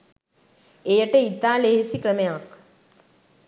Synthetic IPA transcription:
eːjɐʈeit̪aːleːɦisikɾɐmjaːk

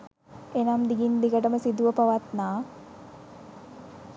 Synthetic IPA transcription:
enamd̪iɡind̪iɡəʈəməsid̪uʋəpaʋat̪naː

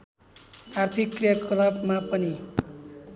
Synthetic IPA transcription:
art̪ʰikːrijʌkʰʌlabmapʌni

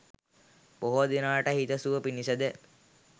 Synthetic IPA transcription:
boɦod̪inaːʈəhit̪əsuʋəpinisəd̪e

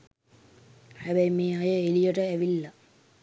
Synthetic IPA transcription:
hæbæjmeːajəelijəʈəæʋilːɐ

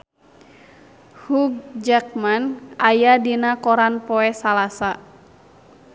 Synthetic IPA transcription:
huɡ̚d͡ʒak̚manʔajadinakɔɾanpɔɛsalasa

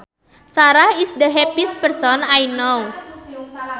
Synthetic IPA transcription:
saɾahisdəɦɛpispərsɔnajnow

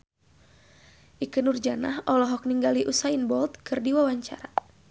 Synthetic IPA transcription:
ʔikɨnurd͡ʒana̰hɔlɔɦɔk̚niŋɡaliʔusainbɔlt̪̚kɨrdiwawaɲt͡ʃa̰ɾa

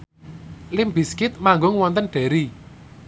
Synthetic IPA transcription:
lɪmbiskɪt̪̚maŋɡʊŋwɔnt̪ənɖ̥ɛ̤ɾi

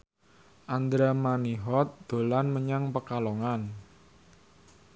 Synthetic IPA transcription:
ʔand̪ɾamaniɦɔt̪̚d̪̥o̤lanməɲaŋpəkalɔŋan

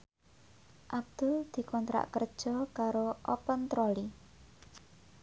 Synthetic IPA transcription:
ʔab̚d̪̥uld̪̥i̤kɔnt̪ɾa̰ʔkərd̥ʒ̥ɔ̤kaɾoʔɔpənt̪ɾɔli

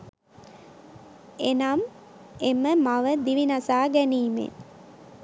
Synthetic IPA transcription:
enam | eməmaʋəd̪iʋinasaːɡæniːmḛ

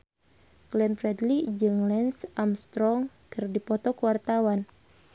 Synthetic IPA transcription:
ɡ̥lɛnfɾɛdlid͡ʒɨŋlɛnsamst̪ɾɔŋ | kɨrdipɔt̪ɔkuwart̪awan

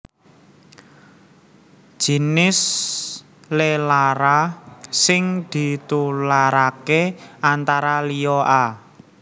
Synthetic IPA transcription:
d̥ʒ̥i̤nɪs | lelaɾasɪŋd̪̥i̤t̪ulaɾakeant̪aɾalijɔʔa

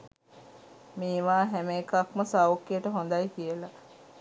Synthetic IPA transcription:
miːʋaːɦæmeːkakməsawkːijəʈəɦond̪ajkijəla

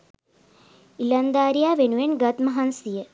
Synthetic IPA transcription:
ilɐnd̪aːɾijaːʋenuʋenɡɐt̪mɐɦɐnsijə

